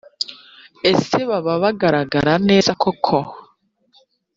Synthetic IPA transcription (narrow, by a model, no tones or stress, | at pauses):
e̞se̞βaβaβaɡaɾaɡaɾane̞ːzakʰokʰo